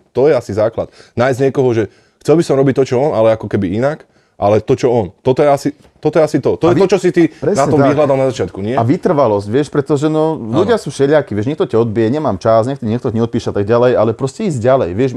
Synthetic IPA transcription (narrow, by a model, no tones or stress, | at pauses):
t̪ɔjɛasizaːkla̰t̪najzɲɛkɔɦɔʒɛ | xt͡sɛlbisɔmɾɔbic̚t̪ːɔt͡ʃɔɔnalɛakɔkɛbiinak | ʔalɛt̪ɔt͡ʃɔɔnt̪ɔt̪ɔjɛasi | t̪ɔt̪ɔjɛasit̪ɔt̪ɔjɛiɔt͡ʃɔsit̪ipɾɛnatɲɛɔmt̪aɦlad̪alnazat͡ʃɪat̪kuɲɪɛaʋit̪r̩ʋalɔscʋɪɛʃpɾɛt̪ɔʒɛnɔluɟɪasuːʃɛʎɪakiʋɪɛʒɲɛkt̪ɔcaɔd̪̚biɛɲɛmaːmt͡ʃasɲɛkt̪ɔɲɪɛkt̪ɔɲɛɔt̪̚piːʃɛat̪aɡ̚ɟalɛjalɛpɾɔscɛiːzɟɟalɛ̰jʋɪɛʃ